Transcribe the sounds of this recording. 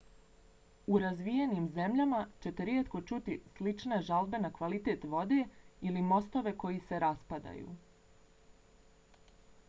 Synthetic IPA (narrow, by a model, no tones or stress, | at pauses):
uɾazʋijenimze̞mʎamat͡ɕe̞t̪e̞ɾjet̪ko̞t͡ʃut̪islit͡ʃneʒalˠbe̞nakʋalit̪e̞t̪ʋo̞d̪e̞ilimo̞st̪o̞ʋe̞ko̞jise̞ɾaspad̪a̰jṵ